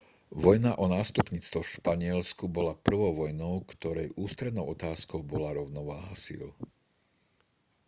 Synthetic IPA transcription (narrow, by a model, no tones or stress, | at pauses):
ʋɔjnaʔɔnaːst̪upɲiːt͡st̪ʋɔfʃpaɲɪɛlskubɔlapr̩ʋɔʊʋɔjnɔʊkt̪ɔɾɛjʔuːst̪ɾɛd̪nɔʊɔt̪aːskɔʊbɔlaɾɔʊnɔʋaːɦasḭːl